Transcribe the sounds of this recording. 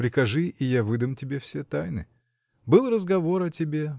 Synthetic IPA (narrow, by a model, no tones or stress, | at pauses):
pɾʲɪkɐʐɨʔɪjavɨd̪əmʲtʲɪbʲefsʲe̞t̪ajnɨ̰ | bɨlˠrəzɡɐvo̞ɾɐtʲɪbʲe̞